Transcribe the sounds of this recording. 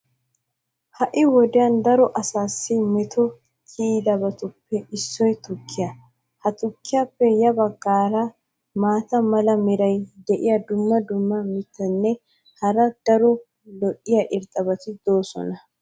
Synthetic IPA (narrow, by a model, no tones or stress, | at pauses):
hɐʔɪwɔd̪ɛjɐnd̪ɐɾɔʔɐsaːsːɪmɛt̪ʰɔ | kʰid̪ɐbɐt̪ʊpːɛɪsːɔjt̪ʊkʰːɪjɐ | hɐt̪ʊkːɪjapːɛjɐbɐɡːaːɾɐ | maːt̪ɐmɐlɐmɛɾɐjd̪ɛʔɪjɐd̪ʊmːɐd̪ʊmːɐmɪt̪ːɐnːɛ | hɐɾɐd̪̥ɐɾɔ | lɔʔːɪjɐʔɪɾt̪ʼɐbɐt̪ɪd̪o̞ːsɔ̰nɐ